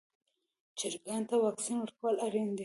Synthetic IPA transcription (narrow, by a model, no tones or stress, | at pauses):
t͡ʃɪɾɡɑnt̪awɑksinwəɾkawəlaɾend̪i